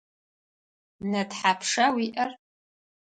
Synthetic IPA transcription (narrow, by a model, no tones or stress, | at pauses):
nɐdħapʰʂawiʔɐr